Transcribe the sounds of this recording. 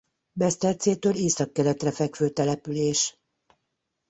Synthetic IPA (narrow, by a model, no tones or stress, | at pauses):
bɛst̪ɛrt̪seːt̪øːleːsɒkːɛɾɛt̪rɛfɛkføːt̪ɛlɛpyleːʃ